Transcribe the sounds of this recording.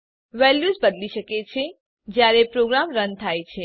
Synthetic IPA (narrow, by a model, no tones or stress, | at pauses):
ʋɛljuzbəd̪liʃəket͡ʃʰe | d͡ʒjaɾepɾoɡɾamɾənt̪ʰajt͡ʃʰe